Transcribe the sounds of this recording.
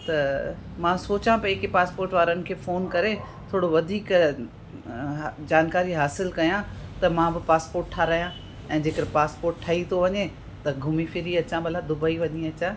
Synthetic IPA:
t̪ɐ | mãːsoːt͡ɕãpɐeːkepaːspoːɾʈʋaːɾənɪ̆kʰeːfoːnkɐɾe | t̪ʰoːɽoʋɐd̪ʱiːk | d͡ʑaːnkaːɾiɦaːsɪlkɐjãt̪ɐmãbɪpaːspoːɾʈʈʰaːɾɐijã | ɛ̃ːd͡ʑeːkəɾpaːspoːɾʈʈʰaːit̪ʰoʋɐɲe | t̪ɐɡʱʊmifɪɾiɐt͡ɕãbɐlabd̪ʊbaːiʋɐɲiɐt͡ɕa

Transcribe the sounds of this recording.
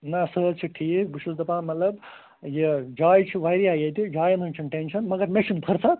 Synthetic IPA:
nɐsəːdt͡ʃʰiʈʰiːk̚buʃuld̪ɐpãːmɐt̪lɐb | jed͡ʒaːjt͡ʃʰiʋajɾiaːjɐt̪id͡ʒaːjɐnunt͡ʃʰiʈenʃɐnmɐɡɐɾmeʃinpʰɐɾt͡sʰɐ

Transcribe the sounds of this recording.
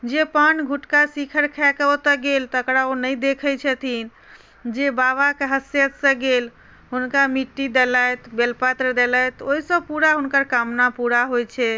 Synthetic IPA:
d͡ʒepanɡʱuʈkasikʰəɾkʰakəot̪əɡelt̪əkɾaonəjd̪ekʰət͡ʃʰɛt̪ʰin | d͡ʒebaβakeɦəsjət̪sə̃ɡel | ɦunkamiʈːid̪eləjt̪belpat̪ɾəd̪elət̪oɦisə̃b̚puɾaɦunkəɾkamnapuɾaɦojt͡ʃʰɛ

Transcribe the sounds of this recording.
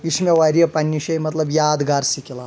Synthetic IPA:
iʃmʲeʋaɾiɐpɐnʲːiʃɐjmɐt̪lɐbjaːd̪ɡaːɾsikʲila

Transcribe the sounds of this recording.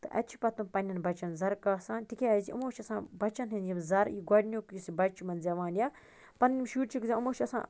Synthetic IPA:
t̪ɨ̰ʔɐ̰t͡ʃʰi̥pɐt̪umpɐnʲːɐnbɐt͡ʃɐnzɐɾkɐsaːnt̪ikʲeɐziʔṵmoːt͡ʃʰɐsã̰ːbɐt͡ʃɐnɦinjimzɐɾjiɡɐɽʲnʲjoːkjusibɐt͡ʃʰimɐnzʲɐʋaːnja | pɐnnʲimʃuːʈt͡ʃʰikzʲaumoːt͡ʃʰɐsã̰ː

